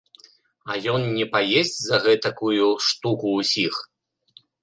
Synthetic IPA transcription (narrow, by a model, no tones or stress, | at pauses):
ɐjɔnnʲɛpajesʲt͡sʲzɐɣɛt̪ɐkujuʂt̪ukuːsʲix